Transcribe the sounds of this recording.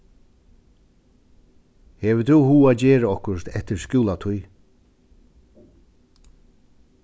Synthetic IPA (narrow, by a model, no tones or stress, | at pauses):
hɛvət̪ʰuhuːaːd͡ʑɛːɾəɔhkʊst̪ɛht̪ɪɾskjuːlat̪ʰʊj